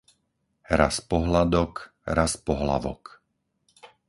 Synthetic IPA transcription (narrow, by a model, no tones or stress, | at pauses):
ɾa̰spɔɦlad̪ɔk | ɾaspɔɦla̰ʋɔ̰k